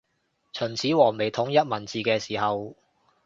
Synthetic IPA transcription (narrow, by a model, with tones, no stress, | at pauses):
t͡sʰɵ˨˩nt͡sʰiː˨˥wɔː˨˩ŋme˨˩jt̪ʰʊ˨˥ŋjɐ˥t̚mɐ˨˩nt͡siː˨kɛː˧siː˨˩hɐ˨w